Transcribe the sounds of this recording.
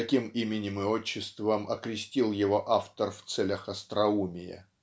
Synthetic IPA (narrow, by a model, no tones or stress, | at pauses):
ɐkʲimimʲɪnʲɪmɨot͡ɕːɪst̪vəmɐkɾʲɪsʲtʲilˠjɪvo̞ʔaft̪ərft̪sɛlʲəxɐst̪ɾɐumʲɪjɪ̰